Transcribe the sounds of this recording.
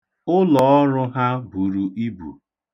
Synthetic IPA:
ʊ˦lɔ˨ɔ˦ɾʊ˦ɦa˦bu˨ɾu˨i˦bṵ˨

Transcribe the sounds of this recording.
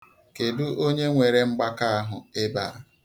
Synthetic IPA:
ke˨du˦ʔo˦ɲe˦ŋʷe˨ɾe˦ŋ͡m̩˦ɡ͡ba˦ka˦a˦ɦʊ˨e˦baː˨˦

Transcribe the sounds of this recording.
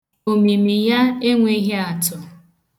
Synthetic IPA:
o˨mi˨mi˨ja˦e˦ŋʷe˦ɦe˦a˨tʊ˨

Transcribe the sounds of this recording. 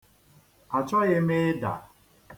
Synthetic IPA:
a˨t͡ʃɔ˦ɣɪ˦mɪ˦da̰˨

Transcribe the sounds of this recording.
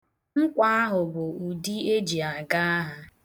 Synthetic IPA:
ŋ̩˦kʷa˦a˦ɦʊ˨bʊ˨u˨di˦e˦d͡ʒi˨a˨ɡa˦a˦ɦa˦

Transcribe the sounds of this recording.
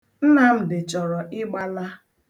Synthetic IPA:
n̩˦na˦m̩˦dɪ˨t͡ʃɔ˨ɾɔ˨ʔɪ˦ɡ͡ba˦la˦

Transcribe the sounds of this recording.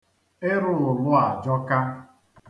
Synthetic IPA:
ɪ˦ɾʊ˦ʊ˨lʊ˦a˨d͡ʒɔ˦ka˦

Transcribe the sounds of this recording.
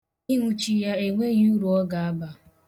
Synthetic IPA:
i˦ɦʷu˦t͡ʃi˦ja˦e˨ŋʷe˦ɲ˦u˦ɾu˨ɔ˦ɡa˨a˦ba˨

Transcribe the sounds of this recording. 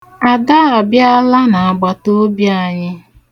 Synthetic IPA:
a˨da˦ɔ˨bja˦la˦na˨a˨ɡ͡ba˨to˦bja˨ɲɪ˦

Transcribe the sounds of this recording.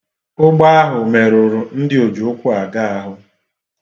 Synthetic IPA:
ʊ˦ɡ͡ba˦a˦ɦʊ˨me˨ɾʊ˨ɾʊ˨n̩˦dɪ˦o˨d͡ʒu˨ʊ˦kʷʊ˦a˨ɡa˦a˦ɦʊ˦

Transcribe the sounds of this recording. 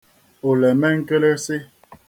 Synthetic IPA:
o˨lɛ˨mɛ˦ŋ̩˦ke˦le˦se˦

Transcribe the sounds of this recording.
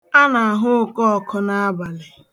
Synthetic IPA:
a˦na˨a˨ɦʊ˦˨kɔ˦˨kʰɔ˦na˦a˦ba˨lɪ˨

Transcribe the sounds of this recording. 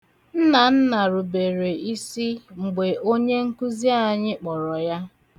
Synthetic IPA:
n̩˦na˨n̩˦na˨ɾʊ˨be˨ɾe˨i˦si˦ŋ͡m̩˨ɡ͡be˨ʔo˦ɲe˦ŋ̩˦ku˦zi˦a˦˨ɲɪ˦k͡pɔ˨ɾɔ˨ja˦

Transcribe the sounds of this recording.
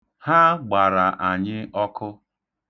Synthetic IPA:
ha˦ɡ͡ba˨ɾa˨ʔa˨ɲɪ˦ɔ˦kʊ˦

